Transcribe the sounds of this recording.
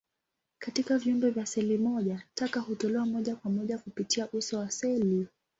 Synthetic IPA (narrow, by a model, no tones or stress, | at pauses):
katikavjiumbɛvjasɛlimɔʄatakahutɔlɛwamɔʄakwamɔʄakupitiaʔusɔwasɛli